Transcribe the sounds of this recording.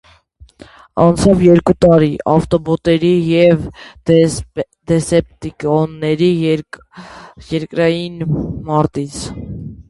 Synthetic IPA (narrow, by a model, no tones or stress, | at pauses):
ɑnt͡sʰɑvjɛɾkut̪ɑɾiʔɑft̪ɔbɔt̪ɛɾijɛv | d̪̥ɛsɛp̚t̪ikɔnːɛɾi | jɛɾkɾɑjinmɑɾt̪it͡sʰ